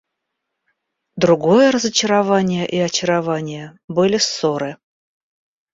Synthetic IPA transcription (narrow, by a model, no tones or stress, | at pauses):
d̪ɾʊɡo̞jəɾəzət͡ɕɪɾavanʲɪjəʔiɐt͡ɕɪɾavanʲɪjəbɨlʲɪsoɾɨ